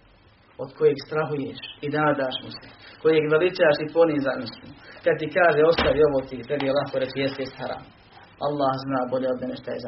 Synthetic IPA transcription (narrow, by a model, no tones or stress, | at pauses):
od̪kʰo̞jeːɡst̪ɾaɦujeːʃinaːd̪aːʃmiseko̞jeːɡʋelit͡ʃaːʃipo̞niːzaːnmiskad̪̚t̪ikaːʒeːo̞st̪aʋio̞ʋoːt̪it̪ɾebijelˠahkoɾet͡ʃjest̪jest̪haɾa̰ːm | ʔalˠːaːhznaːbo̞ʎeod̪meneʃt̪ajeza